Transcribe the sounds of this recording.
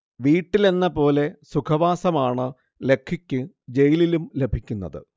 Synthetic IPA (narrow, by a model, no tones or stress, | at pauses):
ʋiːʈːile̞nːɐpo̞ːle̞sukʰɐʋaːsɐmaːɳɨ | le̞kʰːikʲːɨ | d͡ʑe̞jililumle̞bʱikʲːunːɐðɨ̰